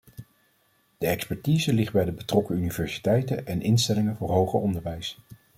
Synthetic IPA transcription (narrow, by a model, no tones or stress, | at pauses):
d̥əɛkspɛɹtiːzəlɪχ̚bɛjdəbətrɔkəynivɛɹsi̥tɛjtəʔɛnʔɪnstɛlɪŋəvʊːɹɦowχə̰ɔndəɹʋɛjs